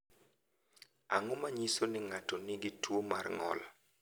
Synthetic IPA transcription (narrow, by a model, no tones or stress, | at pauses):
a̰ŋomaɲisonɪŋatonɪɡɪtʰwomarŋɔ̰la̰